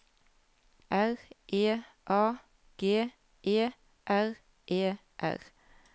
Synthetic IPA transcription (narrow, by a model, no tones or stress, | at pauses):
ʔæʁʔeː | ʔɑː | ɡ̥eː | ʔeː | ʔæʁ | ʔeː | ʔæ̰ʁ